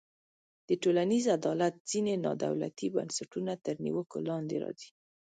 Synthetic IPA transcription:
d̪̥əʈolanizad̪ɑlat̪̚z̥inenɑ̰d̪a̰wla̰t̪iba̰nsaʈunat̪əɾnḭwəko̰lɑnd̪eɾɑ̰zi̥

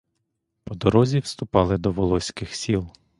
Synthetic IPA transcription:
pɔd̪ɔɾɔzʲiwst̪ʊpɑlˠɪd̪ɔʋɔlˠɔsʲkɪxsʲilˠ

